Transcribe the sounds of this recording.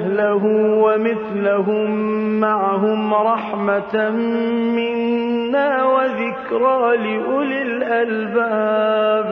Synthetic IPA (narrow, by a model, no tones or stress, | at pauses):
laɦʊwamɪθlaɦʊmːaʕaɦʊmɾˤɑħmammɪnːaːwaðɪkɾˤɑːlɪʔʊlɪlʔalbaːb